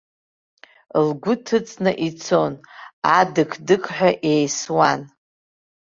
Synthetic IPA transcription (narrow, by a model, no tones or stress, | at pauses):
lɡʷʊtʰɨt͡sʼnɨʔit͡sʰo̞nadɨkʰdɨkʰʼħʷᶣaʔejswan